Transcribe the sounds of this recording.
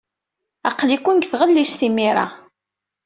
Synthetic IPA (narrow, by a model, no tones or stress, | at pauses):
ɑqːlikʷːunɡθʁəlːisθimiɾˤɑ̰